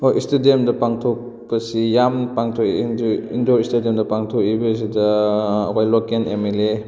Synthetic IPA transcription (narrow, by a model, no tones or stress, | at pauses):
oʔistedemdɐpaŋtʰok̚ | pɐsijampaŋtʰokidindoɾistediemdɐpaŋtʰokibɐs̬idɐwajlɔkenemele